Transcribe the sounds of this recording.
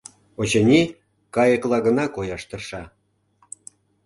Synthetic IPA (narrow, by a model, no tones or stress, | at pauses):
ot͡ɕɤnʲi | kɑjəklɑɣə̆nɑkojɑʃt̪ə̆rʃɑ